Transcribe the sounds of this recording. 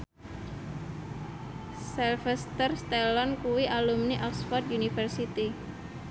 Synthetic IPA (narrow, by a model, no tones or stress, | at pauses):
sɛlfɛst̪ərst̪ɛlɔnkuwiʔalumniʔɔksfɔrd̪junifərsit̪i